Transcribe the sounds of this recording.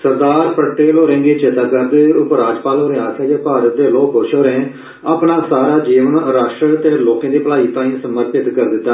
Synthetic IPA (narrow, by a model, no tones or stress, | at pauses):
səɾd̪aːɾpəʈeːlɦoːɾẽːɡeːt͡ʃɪt̪aːkəɾd̪eːʊpɾaːd͡ʒpaːlɦoːɾẽːaːt̪ʰaːd͡ʒeːpaːɾət̪̚d̪eːloːkɦoːʃoːɾẽː | apnaːsaːɾaːd͡ʒiːʋənɾaːʃʈɾət̪eːloːkãːd̪iːpəlaːiːt̪ãːĩːsəməɾpɪt̪kəɾd̪ɪt̪ːaː